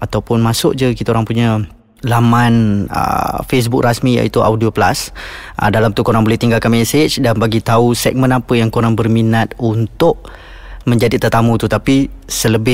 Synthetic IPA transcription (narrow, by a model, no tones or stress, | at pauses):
at̪awpʊnmasʊ̰ʔ̚d͡ʒəkit̪aoɾaŋpuɲa | lamãnə̰fes̬buk̚rasmija̰ḭt̪uʔa̰wdioplasʔə̰dalamt̪ukoɾaŋbolɛht̪iŋɡalkanmɛset͡ʃdanbaɡit̪ausɛk̚mə̃napəjaŋkoɾaŋbərminat̪̚unt̪ʊʔ | mə̃ɲd͡ʒadit̪ət̪amũt̪ut̪apisələbɪ